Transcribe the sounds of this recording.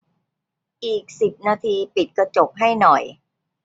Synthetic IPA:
ʔiː˨˩k̚si˨˩p̚naː˧t̪ʰiː˧pi˨˩t̪̚ka˧t͡ɕo˨˩p̚ɦa˥˩jnɔ˨˩j

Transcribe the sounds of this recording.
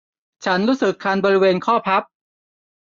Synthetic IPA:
t͡ɕʰa˦˥nɾuː˦˥sɯ˨˩kʰːaː˧nbɔː˧ɾi˦˥weː˧nkʰɔː˥˩pʰa˦˥p̚

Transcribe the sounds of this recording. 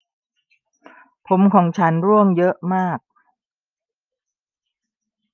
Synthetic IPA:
pʰo˩˦mkʰɔː˨˩˦ŋt͡ɕʰa˦˥nɾu˥˩əŋjɤ˦˥ʔmaː˥˩k̚

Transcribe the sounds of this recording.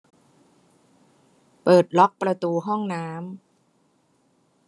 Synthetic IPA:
pɤː˨˩t̪̚lɔ˦˥k̚pɾa˧t̪uː˧ɦɔ˥˩ŋnaː˦˥m

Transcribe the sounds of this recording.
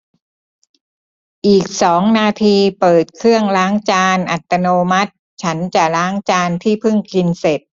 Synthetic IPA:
ʔiː˨˩k̚sɔː˩˦ŋnaː˧t̪ʰiː˧pɤː˨˩t̪̚kʰɾɯ˥˩əŋlaː˦˥ŋt͡ɕaː˧nʔa˨˩t̪ːa˧noː˧ma˦˥t̪̚ | t͡ɕʰa˦˥nt͡ɕa˨˩ɾaː˦˥ŋt͡ɕaː˧nt̪ʰiː˥˩pʰɯ˥˩ŋkʰi˧nse˨˩t̪̚

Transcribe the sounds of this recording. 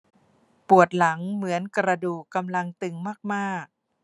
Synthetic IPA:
pu˨˩ət̪̚la˩˦ŋmɯ˩˦ənkɾa˧duː˨˩kːa˧mla˧ŋt̪ɯ˧ŋmaː˥˩k̚maː˥˩k̚

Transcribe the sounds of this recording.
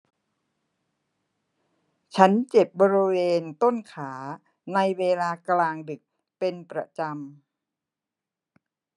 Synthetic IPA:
t͡ɕʰa˦˥nt͡ɕe˨˩p̚bɔː˧ɾi˦˧weː˧nt̪o˥˩nkʰaː˩˦ | na˧jweː˧laː˧klaː˧ŋdɯ˨˩k̚ | pe˧npɾa˧t͡ɕa˧m

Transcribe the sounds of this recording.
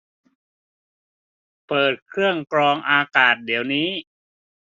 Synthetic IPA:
pɤː˨˩t̪̚kʰɾɯ˥˩əŋkɾɔː˧ŋʔaː˧kaː˨˩t̪̚diː˩˦wniː˦˥

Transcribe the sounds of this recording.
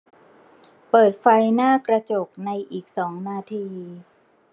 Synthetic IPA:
pɤː˨˩t̪̚fa˧jnaː˥˩kɾa˧t͡ɕo˨˩k̚na˧jʔiː˨˩k̚sɔː˩˦ŋnaː˧t̪ʰiː˧

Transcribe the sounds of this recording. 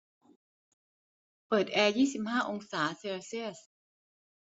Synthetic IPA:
pɤː˨˩t̪̚ʔɛː˧jiː˥˩si˨˩p̚haː˥˩ʔo˧ŋsaː˩˦seː˧si˥˩əs

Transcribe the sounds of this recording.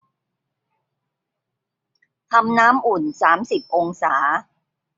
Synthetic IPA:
t̪ʰa˧mnaː˦˥mʔu˨˩nsaː˩˦msi˨˩p̚ʔo˧ŋsaː˩˦

